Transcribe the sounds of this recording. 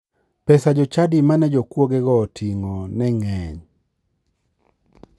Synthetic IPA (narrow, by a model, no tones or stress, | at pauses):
pɛsad͡ʒɔt͡ʃadimanɛd͡ʒokwoɡɛɡɔtʰiŋɔnɛŋɛɲ